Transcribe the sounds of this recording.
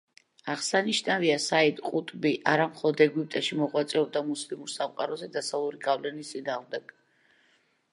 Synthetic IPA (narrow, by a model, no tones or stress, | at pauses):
aʁsaniʃnaviasaid̪ʼqʼut̪ʼbiʔaɾamχɔlˠɔd̪ɛɡwip̚t̪ʼaʃimɔʁwat̪sʼɛɔb̚d̪amuslimuɾsamqʼaɾɔzɛd̪asalˠuɾiɡavlɛnist̪sʼinaːʁmd̪ɛɡ̥